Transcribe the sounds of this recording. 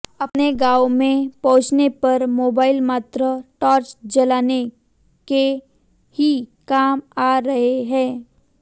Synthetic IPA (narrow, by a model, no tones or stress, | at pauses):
ɐpneɡaːomẽpɐ̃ɦʊ̃t͡ʃnepɐɾmoːbaːɪlmaːt̪ɾəʈɔːɾt͡ʃd͡ʒɐlaːne | ke | hikaːmaːɾɐɦeɦɛ̃ː